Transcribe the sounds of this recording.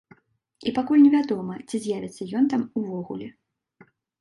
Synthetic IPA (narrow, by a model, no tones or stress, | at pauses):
ipakulʲnʲɛvʲad̪ɔmɐt͡sʲizʲjavʲɛt̪sːɐjɔnt̪amuvɔɣṵlʲɛ